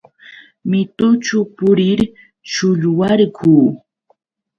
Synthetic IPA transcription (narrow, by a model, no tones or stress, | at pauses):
mɪt̪ʊt͡ʃʊpʊɾɪɾ | t͡ʃʊʎwaɾkʰuː